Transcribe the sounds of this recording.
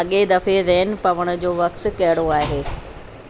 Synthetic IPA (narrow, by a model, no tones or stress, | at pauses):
ɐɠed̪ɐfeʋɛːn̆pɐʋəɽ̃ʊ̆d͡ʑoːʋɐkt̪kɐɦɪɽoaːɦeː